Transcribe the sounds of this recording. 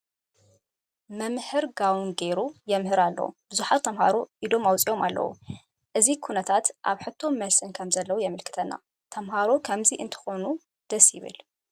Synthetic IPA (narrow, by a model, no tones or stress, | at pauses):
mɐmhɨɾɡawnɡeɾujɛmhɨɾalːɐ̰wṵb̥ɨzuħat̪ʰːɐmha̰ɾoʔid̪o̞mawt͡sʼijo̞malːɐ̰wṵ | ʔɨzikʰunɐt̪ʰat̪ʔa̰βħɨt̪ʰːo̞mːɐsɨnkʰɐmzɐlːɐwujɛmɨlkʰɨ̥t̪ʰɐnːa̰ | t̪ʰɐmɦaɾokʰɐmziʔɨnt̪ʰɨ̥xo̞nu | d̪̥ɐsjɪ̰βɨ̰l